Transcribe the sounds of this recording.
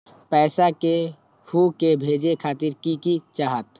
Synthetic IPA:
pɛːsake | hukebʱeːd͡ʒekʰaːt̪iɾkikit͡ʃaːɦət̪

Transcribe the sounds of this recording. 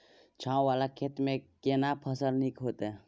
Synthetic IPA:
t͡ʃʰãːwʋaːlakʰet̪mẽkenapʰəsəlnikɦoːt̪e

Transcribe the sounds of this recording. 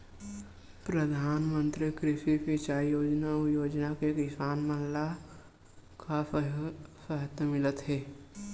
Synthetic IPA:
pɾəd̪ʱaːnmə̃nt̪ɾikɾɪʃipit͡ʃaːijoːd͡ʒnajoːd͡ʒnakekɪsaːnməɦla | kʰa | səɦət̪əmɪlət̪ɦɛː

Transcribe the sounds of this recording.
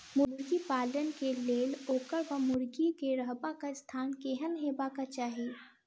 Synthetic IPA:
mʊɾɾɡipaːlənkeleːloːkəɾʋɐmʊɾɡikeɾəɦbakaɪst̪ʰaːnkeɦənɦeːbakat͡ʃaːɦi

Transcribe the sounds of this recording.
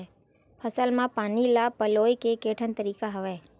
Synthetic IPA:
pʰəsəlmãpanilapəlojkekeʈʰənt̪əɾikaɦəʋe

